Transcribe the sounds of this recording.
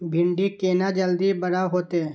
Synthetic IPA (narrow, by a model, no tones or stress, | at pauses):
bʱɪɳɖikeːnad͡ʒəld̪ibəɽaɦoːt̪e